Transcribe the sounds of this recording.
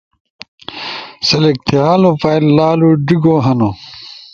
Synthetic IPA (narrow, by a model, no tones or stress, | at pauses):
sɐlek̚t̪ʰiaːlopɐjllaːluɖiɡoːɦɐno